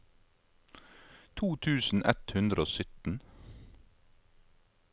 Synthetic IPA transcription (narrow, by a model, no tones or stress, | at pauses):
t̪ʰuːt̪ʰʉːsn̩ʔɛ̰t̪hʉnd̪ɾəoːsʏt̪n̩